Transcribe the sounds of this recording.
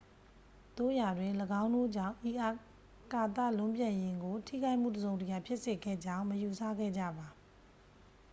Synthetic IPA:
t̪o̰˦˨ja˨dwɪ̃˨ləɡã˦ʊ̃ndo̰˦˨d͡ʑã̰˦˨ʔi˨ʔa˨ | ka˨t̪a̰˦˨lʊ̃˦mpjã˨jɪ̃˨ŋɡo˨tʰḭ˦˨ɡa˦ɪʔm̥ṵ˦˨dəzõ˨ʊ̃ntə˨ja˨pʰjɪ˦ʔse˨ɡɛ̰˦˨d͡ʑã˦ʊ̃məju˨sʰa̰˦˨ɡɛ̰˦˨d͡ʑa̰˦˨ba˨

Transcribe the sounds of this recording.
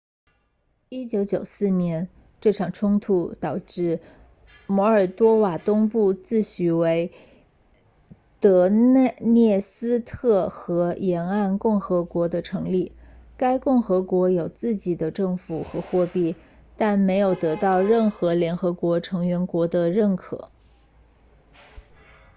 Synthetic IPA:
i˥t͡ɕjo˧˥ʊt͡ɕjo˨˩ʊsɹ̩˥˩njɛ˧˥n | ʈ͡ʂɤ˥˩ʈ͡ʂʰɑ˨˩ŋʈ͡ʂʰʊ˥ŋt̪ʰu˧t̪ɑ˨˩ʊʈ͡ʂɻ̩˥˩ | mwɔ˧˥ə˞˨˩t̪wɔ˥wa˨˩t̪ʊ˥ŋpu˥˧t͡sɹ̩˥˩ɕy˧˥we˧˥ɪ | t̪ɤ˧˥n˧njɛ˥˩sɹ̩˥t̪ʰɤ˥˩xɤ˧˥jɛ˧˥na˥˧nkʊ˥˩ŋxɤ˧˥kwɔ˧˥d̪ə˧ʈ͡ʂʰɤ˧˥ŋli˥˩ka˥ɪkʊ˥˩ŋxɤ˧˥kwɔ˧˥jo˨˩ʊt͡sɹ̩˥˩t͡ɕi˨˩d̪ə˦ʈ͡ʂɤ˥˩ŋfu˨˩xɤ˧˥xwɔ˥˧pi˥˩t̪a˥˩nme˧˥ɪjo˨˩ʊt̪ɤ˧˥t̪ɑ˥˧ʊɻə˥˩nxɤ˧˥ljɛ˧˥nxɤ˧˥kwɔ˧˥ʈ͡ʂʰɤ˧˥ŋɥɛ˧˥nkwɔ˧˥d̪ə˧ɻə˥˩nkʰɤ̰˨˩˦

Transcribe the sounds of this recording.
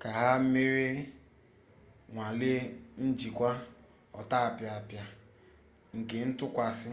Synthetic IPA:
ka˨ɦa˦m̩˦me˦ɾe˦ | ŋʷa˨le˦n̩˦d͡ʒi˨kʷa˦ | ɔ˨ta˦a˨pja˨a˨pja˦ | ŋ̩˨ke˨n̩˦tʊ˦kʷa˨sɪ˦

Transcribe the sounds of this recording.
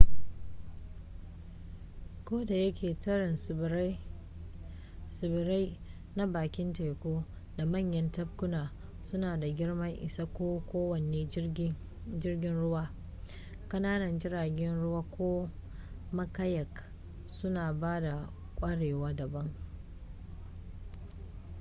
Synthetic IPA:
kʷoː˦da˨jɐ˦kʲʰeː˨tɐ˦ɽɪ˨n˦ | sɪ˨bɾa˦j | na˦baː˨kʲɪ˦nte˨kʷoː˦ | da˨mɐ˦˨ɲjɐ˦ntɐ˦b̚kʊ˦naː˨ | sʊ˦naː˨da˨ɡʲɪ˦ɽmɐ˦ŋʔɪ̰˨sa˦kʷoː˦kʷoː˦wɐ˨neː˦ | d͡ʒɪ˦rɡʲɪ˦nɽʊ˦waː˦ | kʼɐ˦naː˦nɐ˨nd͡ʒɪ˦ɾaː˨ɡʲɛ˦nɽʊ˦waː˦kʷʰoː˦ | mɐ˦kɐ˦jɐ˨k | sʊ˦naː˨baː˦da˨ | kʷʼɐ˦ɽeː˨waː˦dɐ˨bɐ˦ŋ

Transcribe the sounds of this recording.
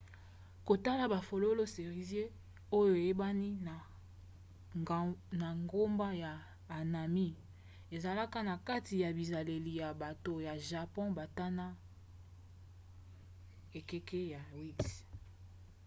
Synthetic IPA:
ko˨ta˦la˨ba˨fo˨lo˦lo˦se˨ʁi˨zje˦ | o˦jo˨e˨je˦ba˦ni˦n˨ | na˨ŋɡo˦mba˦jaː˨ | na˨mi˦ | e˨za˨la˦ka˦na˨ka˦ti˨ja˨bi˨za˨le˨li˨ja˨ba˨to˨ja˨ʒa˨pɔ̃˦ba˨ta˦na˦ | e˨ke˦ke˦ja˨wi˦s

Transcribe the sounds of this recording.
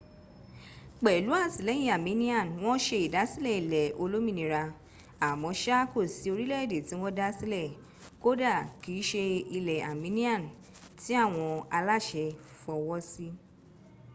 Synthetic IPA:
k͡pɛ˨lu˨˦a˦˨si˨lɛ˨˦j̃ĩ˦˨a˨mĩ˨˦nĩ˦ã˦˨n˨w̃ɔ̃˦ʃe˧i˨da˨˦si˦lɛ˦˨i˨lɛ˨o˧lo˦mĩ˦˨nĩ˧ɾa˧ | a˨mɔ̃˨˦ʃa˦ko˦˨si˨˦o˧ɾi˦lɛ˦˨de˨ti˨˦w̃ɔ̃˦da˦si˦lɛ˦˨ | ko˦da˦˨ki˨˦ʃe˧i˧lɛ˨a̰˨mĩ˨˦nĩ˦ã˦˨n˨ | ti˨˦a˦˨w̃ɔ̃˧a˧la˦˨ʃɛ˧ | fɔ˧wɔ˦si˦

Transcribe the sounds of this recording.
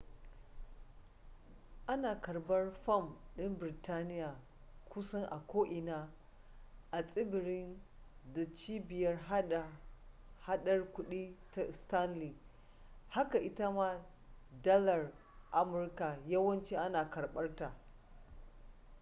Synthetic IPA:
ʔa˦naː˨kɐ˨rbɐ˦rɸɐ˦˨mɗɪ˦mbɾɪ˨taː˦nɪ˦jaː˨ | kʷʊ˦sɐ˦ŋʔa̰˨kʷoː˦ʔɪ˨naː˦ | ʔa˨sʼɪ˦bɪ˨ɾɪ˦nda˨t͡ʃiː˦bɪ˨jɐ˦r | ha˦ɗɐ˦rkʷʊ˦ɗiː˦ta˨ʔɪ˨sta˦nliː˨ | ha˦ka˨ʔɪ˦ta˦maː˦ | dɐ˦lɐ˨r | ʔa˦mʊ˨˦rka˨jɐ˦wɐ˦nt͡ʃi˦ʔa˦naː˨kɐ˨rɓɐ˦rta˨

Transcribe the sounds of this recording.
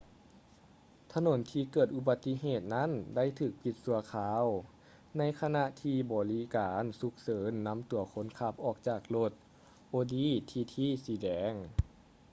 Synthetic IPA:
t̪ʰa˧no˨˦nt̪ʰiː˧kɤː˨˩t̪̚ʔu˧ba˧t̪ːi˧˥ɦeː˧˨˩t̪̚na˦˥˨nda˥˨jt̪ʰɯː˨˩k̚pi˧˦t̪̚su˧˩˦ɐkʰaː˨˧˦w | na˧˥˨jkʰa˧na˧ʔt̪ʰiː˧bɔː˨˩li˧˦˥kaː˩˦nsu˧˦k̚sɤː˩˦nːa˧˥mt̪u˨˩˦ɐkʰo˧˦nkʰa˧˩p̚ʔɔː˨˩k̚t͡ɕaː˨˩k̚lo˧˩t̪̚ | ʔoː˧diː˧˥˨t̪ʰiː˧t̪ʰiː˧˥˨siː˨˦dɛː˨˧˦ŋ

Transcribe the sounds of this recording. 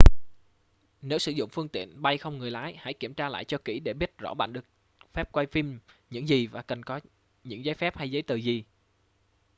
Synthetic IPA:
ne˨˦wsɨ̰˧˩zʊ̰˧˨ŋ͡mfɨ˧əŋt̪ḭ˧˨ənɓa˧jxə˧wŋ͡mŋɨ˨˩əjlaː˨˦jha̰˧˥jki˧˩əmt͡ɕaː˧la̰ː˧˨jt͡ɕɔ˧kḭ˧˩ɗe˧˩ɓi˦˥ət̚zɔ̰˧˥ɓa̰ː˧˨nɗɨ˨˩ək̚ | fɛ˦˥p̚kwa˧jfi˧mɲɨ̰˧˥ŋzi˨˩vaː˨˩kə˨˩nkɔ˨˦ | ɲɨ̰˧˥ŋzaː˨˦jfɛ˦˥p̚ha˧jzə˨˦jt̪ɨ˨˩zi˨˩

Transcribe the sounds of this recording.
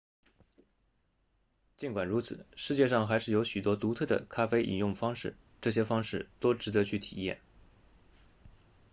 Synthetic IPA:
t͡ɕi˥nkwa˨˩nɻu˧˥t͡sʰɹ̩˨˩˦ʂɻ̩˥˧t͡ɕjɛ˥˧ʂɑ˥˩ŋxa˧˥ɪʂɻ̩˥˩jo˧˥ʊɕy˨˩t̪wɔ˥t̪u˧˥t̪ʰɤ˥˩d̪ə̰˩kʰa˥fe˥ɪʔḭ˨˩njʊ˥˩ŋfɑ˥ŋʂɻ̩˥˩ | ʈ͡ʂɤ˥˩ɕ̬jɛ˥fɑ˥ŋʂɻ̩˥˩t̪o˥ʊʈ͡ʂɻ̩˧˥d̪ɤ˧˥t͡ɕʰy˥˩t̪ʰḭ˨˩jɛ̰˥˩n

